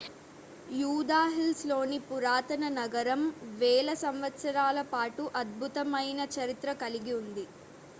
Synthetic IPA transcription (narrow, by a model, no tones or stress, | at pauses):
juːd̪aːɦilslo̞ːnipuɾaːt̪ɐnɐnɐɡɐɾɐmʋɛːlɐsɐmʋɐt̪sɐɾaːlɐpaːʈuʔɐd̪̚bʱut̪ɐmɐjnɐt͡ʃɐɾit̪ɾɐkɐliɡiund̪i